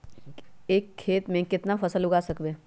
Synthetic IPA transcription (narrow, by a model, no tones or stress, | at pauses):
eːkʰːeːt̪mẽkɪt̪nafʰɐsəlʊɡaːsɐkbeː